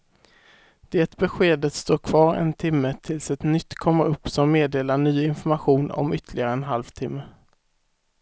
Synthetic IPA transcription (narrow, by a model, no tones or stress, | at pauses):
d̪̥eːt̪bɛɧeːd̪ət̪st̪oːɾkʰvɑːɾɛ̰nt̪ʰɪmːət̪ʰɪlsɛt̪nʏt̪ːkʰɔmːəɾɵpːsɔmːeːd̪eːlaɳyːɪnfɔɾmaɧuːnɔ̰mʏt̪ʰːlɪɡaɾəɛnɦalvt̪ʰɪmːə